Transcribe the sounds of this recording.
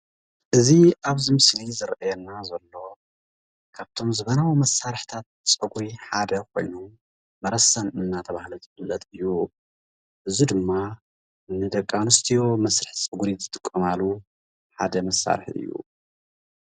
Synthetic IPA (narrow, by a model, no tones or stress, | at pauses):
ʔɨziʔaβzimɨslizɨɾʔajɛnːazɐlːo̞ | kʰaβt̪ʰo̞mzɨβɐnawimɐsaɾɨħt̪ʰat̪̚ | t͡sʼɐɡuiħad̪ɐkʰo̞̰jnu | mɐɾɐsɐnɨnːat̪ʰɐβahluzɨfɨlːɐt̪ʼɨjːu | ʔɨzid̪ɨmːa | nɨd̪ɐkʼːanɨst̪ʰijomɐsɾɨħt͡sʼɨɡuɾizɨt̪ʼɨkʼːɐmalu | ħa̰d̪ɐmɐsːa̰ɾħɨ̰jːṵ